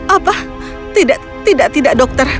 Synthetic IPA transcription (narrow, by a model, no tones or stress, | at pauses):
ʔapah | t̪idaʔ | t̪idaʔt̪idaʔdɔk̚t̪ər